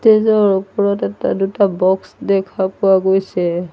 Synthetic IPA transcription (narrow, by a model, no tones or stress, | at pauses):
tezɔɹupɔɹɔtɛta̰dutabɔksdɛkʰapʊwaɡojsɛ